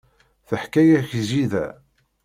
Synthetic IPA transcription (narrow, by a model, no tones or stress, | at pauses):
θəħkæjæçziðæ̰